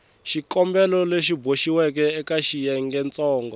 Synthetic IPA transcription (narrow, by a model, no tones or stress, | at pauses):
ʃikɔmbɛlɔleʃiboʃiwɛkɛːkaʃijɛŋɡɛnt͡sʼɔːŋɡɔ